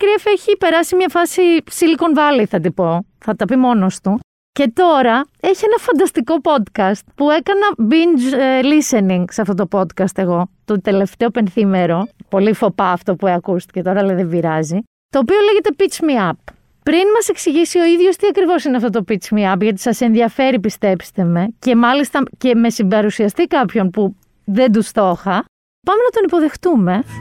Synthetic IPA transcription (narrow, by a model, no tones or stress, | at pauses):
kɾiɐfeçipe̞ɾɐsimɲɐfɐsisiliko̞nvɐliθɐt̪ipo̞ | θɐt̪ɐpimo̞no̞st̪u | ce̞t̪o̞ɾɐe̞çienɐfɐnd̪ɐst̪iko̞po̞d̪kɐst̪̚pue̞kɐnɐbind͡ʒliseniŋɡseɐft̪o̞t̪o̞po̞d̪kɐst̪e̞ɣo̞t̪ot̪e̞le̞ft̪eope̞nθime̞ɾo̞po̞lifo̞pɐːft̪o̞pueɐkust̪i̥ce̞t̪o̞ɾɐleðeviɾɐzi | t̪o̞ːpio̞leʝe̞t̪e̞pit͡smiɐpː | ɾinmɐse̞ksiʝisio̞iðʝo̞st̪iɐkɾivo̞sineɐft̪ot̪o̞pit͡smiɐpʝɐt̪̬i̥sɐse̞nðiɐfe̞ɾipist̪e̞pst̪e̞me̞ce̞mɐlist̪ɐce̞me̞sibɐɾusiɐst̪ikɐpço̞npu | ðe̞nd̪ust̪o̞xɐ | pɐme̞nɐt̪o̞nipo̞ðe̞xt̪ume̞